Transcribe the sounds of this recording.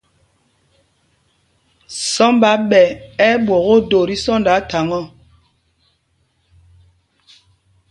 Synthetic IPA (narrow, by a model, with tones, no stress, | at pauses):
sɔ˦mba˨˦ɓɛ˨ɛ˦ɓwɔ˨ɣo˦do˨ɾi˦sɔ˦nda˨˦ta˨ŋɔ˦˨